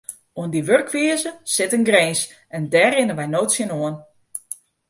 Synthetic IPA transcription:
uəndiʋørkʰʋiəzəsɪtənɡrɛːns | ʔɛndɛːrɪnəʋɛjnoːtsjənoən

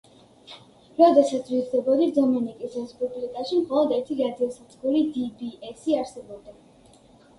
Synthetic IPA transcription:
ɾɔd̪ɛsat̪sʰvizd̪ɛbɔd̪izɔmɛnikʼisɾɛsbupʼlik̪ʼaʃimχɔlˠɔd̪ɛɾt̪ʰiɾad̪iɔsat̪sʼɡuɾid̪ibiɛsiaɾsɛbɔb̚d̪a

